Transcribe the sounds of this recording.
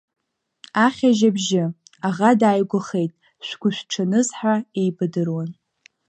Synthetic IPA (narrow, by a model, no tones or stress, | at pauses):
aχʲaʒabʒɪ | aʁadaːjɡʷʊχejtʼ | ʃʷɡ̥ʷʊʃʷᶣʈ͡ʂʰanɨzħaejbɨdɨrwan